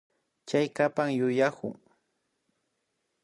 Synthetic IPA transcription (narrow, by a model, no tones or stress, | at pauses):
t͡ʃajkapaŋjʊjakʊ̰ŋ